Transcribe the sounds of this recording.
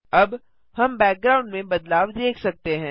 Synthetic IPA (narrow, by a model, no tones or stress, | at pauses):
ɐb | hɐmbɛːk̚ɡɾaːʊ̃ɳɖmẽbɐd̪laːʋd̪eːkʰsɐk̚t̪eɦɛ̃ː